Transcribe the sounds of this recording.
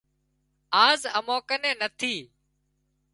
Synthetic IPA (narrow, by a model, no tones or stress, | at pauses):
aːzəmoːkənẽːnət̪ʰiː